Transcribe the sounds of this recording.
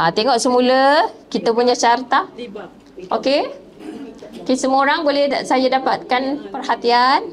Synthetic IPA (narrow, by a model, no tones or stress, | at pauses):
ʔat̪eŋɔʔsəmũləkit̪apuɲat͡ʃart̪a | ʔoke | okesəməoɾaŋbolɛhsajadapat̪̚kanpərhat̪ian